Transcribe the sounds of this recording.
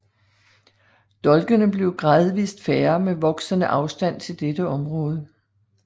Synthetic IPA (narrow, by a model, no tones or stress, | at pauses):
d̥ɒ̽lɡ̥ənəb̥le̝ʊɡ̥ʁɑːðˠʋḭːsd̥fæɐmeʋɒ̽ɡ̥sənəʔɑ̈ʊsd̥æn̰t͡sʰe̝ld̥ed̥əɒ̽mʁɔ̽ːð̞ˠə